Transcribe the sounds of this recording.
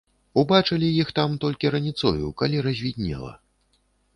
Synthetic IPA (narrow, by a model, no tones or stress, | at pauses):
ubat͡ʂɐlʲijixt̪amt̪ɔlʲkʲiɾɐnʲit̪sɔjṵkalʲiɾɐzʲvʲid̪ʲnʲɛ̰lˠɐ̰